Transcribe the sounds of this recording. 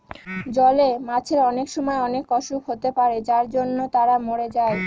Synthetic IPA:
d͡ʑɔlemat͡ɕʰeɾɔnekʃɔmɔeɔnekːɔʃukɦot̪epaɾed͡ʑaɾd͡ʑonːot̪aɾamoɽed͡ʑae

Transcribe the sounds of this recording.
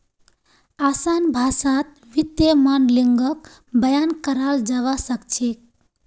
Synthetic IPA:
asanbʱasat̪̚ | ʋit̪jemanliŋɡək | bəjankəɾald͡ʒaβasəkt͡ʃʰek̚

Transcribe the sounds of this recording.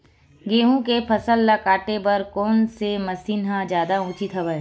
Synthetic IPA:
ɡeːɦũkepʰɐsəlːɐkaːʈepɐɾkɔːnsemɐsiːnɦãd͡ʒjaːd̪aũːt͡ʃit̪ʰɦɐʋəe

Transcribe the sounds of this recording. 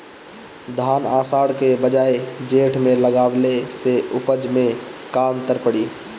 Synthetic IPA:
d̪ʱanasaɽkebəd͡ʒaed͡ʒeʈʰmeləɡableseupəd͡ʒmekant̪əɾpəɽi

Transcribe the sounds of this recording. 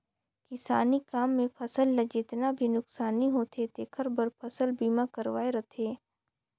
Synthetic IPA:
kɪsaːnikaːmːẽpʰɐsəlːɐd͡ʒɪt̪nabʱinʊksaːniɦoːt̪ʰet̪eːkʰəɾbɐɾpʰɐsəlbiːmakɐɾʋaːeɾɐt̪ʰeː

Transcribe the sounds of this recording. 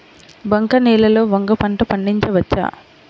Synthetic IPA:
bɐŋkɐnɛːlɐlo̞ːʋɐŋɡɐpɐɳʈɐpɐɳɖiɲt͡ʃɐʋɐt͡ʃːa̰ː

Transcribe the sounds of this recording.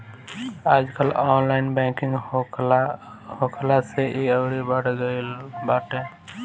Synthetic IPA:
aːd͡ʒkəlɔnlaɪnbɛ̃kɪ̃ŋɡ | hokʰlaseʔiəʊɾibəɽɡəɪlbaːʈẽ

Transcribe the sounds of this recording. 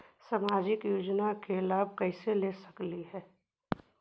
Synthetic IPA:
samaːd͡ʒɪkjoːd͡ʒnakelaːb̚ʱkɛɪselesəkliɦɛː

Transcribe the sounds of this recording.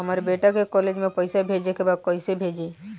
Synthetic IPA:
ɦəmaɾbeʈakekɔled͡ʒmẽpəɪsabʱed͡ʒekebad̪̚kɔjsebʱed͡ʒe

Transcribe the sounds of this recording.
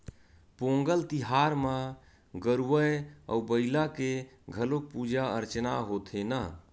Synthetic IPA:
põŋɡəlt̪iɦaɾma | ɡəɾuʋəjə̰ubəɪlakeɡʱəlok̚pud͡ʒaəɾt͡ʃnaɦot̪ʰena

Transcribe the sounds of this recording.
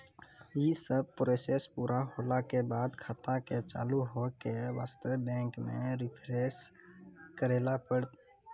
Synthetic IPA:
jisəb̚pɾosespuːɾʔaɦoːlakebaːd̪kʰat̪aket͡ʃa̰ːluɦokeʋaːst̪əʋebɛ̃ːŋkmḛ̃ɾɪpʰɾes | kəɾeːlapəɽt̪

